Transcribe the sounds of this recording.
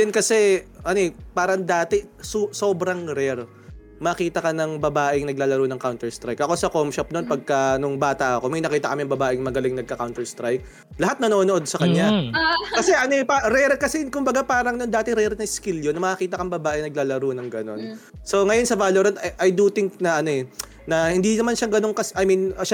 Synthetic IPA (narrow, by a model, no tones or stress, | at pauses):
d̪ɛnkɐsɛʔɐnoɛpaːɾɐŋd̪aːt̪ɪsuso̞ːbɾɐŋɾɛɾ | mɐɐkiːt̪ɐkɐnɐŋbɐbaːʔɪŋnɐɡ̚laːlɐɾunɐŋkawnt̪ɛɹst̪ɾajkʔɐko̞sɐkomʃɐp̚nonpɐɡ̚kɐnʊŋbaːt̪ɐʔɐko̞mɐjnɐkiːt̪ɐkɐmiɐŋbɐbaːʔɪŋmɐɡɐlɪŋnɐɡ̚kɐkawnt̪ɛɹst̪ɾajk̚ | lɐɦat̪̚nɐnoːnoʔo̞d̪̚sɐkɐɲːakɐsɛʔɐnoɛpaɾɛɾkɐsɛkʊmbɐɡapaːɾɐŋnond̪aːt̪ɪɾɛɾnɐɪskiljonːɐmɐʔɐkiːt̪ɐkɐŋbɐbaːʔɛŋnɐɡlaːlɐɾunɐŋɡɐno̞nso̞ŋɐjonsɐvaːloɾɐnt̪ɐʔɐjd̪ut̪ɪŋk̚nɐʔɐnoɛ | nɐhɪnd̪inɐmanʃaŋɡɐno̞ŋkɐsʔɐjminʃa